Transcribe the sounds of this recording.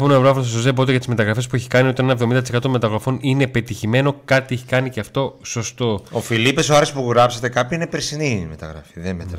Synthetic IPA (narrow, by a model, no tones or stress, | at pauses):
poneɐvɾoɐfssozebot̪eʝɐt̪izme̞t̪ɐɣɾɐfespueçi̥kɐnio̞t̪ɐnenɐevðomind̪ɐt̪sekɐt̪o̞met̪ɐɣɾɐfo̞nine̞pe̞t̪içime̞no̞kɐt̪ieçikɐniceɐft̪o̞so̞st̪o̞ofilipe̞soɐɾespuɣɾɐpset̪e̞kɐpiinepeɾsinimet̪ɐ̰ɣɾɐ̰fiðenmet̪